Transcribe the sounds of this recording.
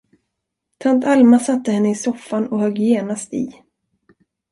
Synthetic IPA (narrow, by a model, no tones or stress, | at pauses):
t̪ʰant̪almasat̪ːəhɛnːəɪsɔfːanɔhœɡjeːnast̪ɪ̰